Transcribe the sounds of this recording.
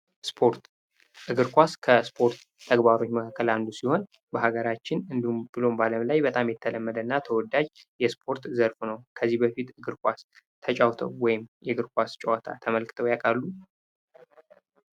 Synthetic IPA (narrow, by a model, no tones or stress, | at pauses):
spʰoɾt̪ | ʔɨɡɨɾkʷaskʰəspʰo̞ɾt̪ʰːəɡbaɾo̞t͡ʃːməkʰakːəland̪usiho̞n | bəɦaɡəɾat͡ʃːɪnɨnd̪iubɨlo̞mbaləmlajbət̪ʼamjɛt̪ʰːələmːəd̪ənːat̪ʰəwɔd̪ad͡ʒjɛspʰo̞ɾt̪zəɾfnəwkʰəzːihbəfit̪ɨɡɨɾkʷʼas | t̪ʰət͡ʃʼawt̪ʰə̰wːɔjɪmjɛɡɨɾkʷʰast͡ʃʼɛwat̪ʰa̰t̪ʰəməlkʰɨ̥t̪ʰəwjakʼalːu